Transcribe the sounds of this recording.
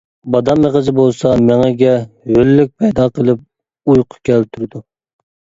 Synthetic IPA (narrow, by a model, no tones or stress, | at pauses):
bɑd̪ɑmːeʁəzɪbolˠsɑmeŋɛɡʲɛhølːyk̚ʲpʰɛjd̪ɑːqʰəlˠɨp̚ | ujqʰʊ̥kʲɛlt̪ʰyɾɪd̪u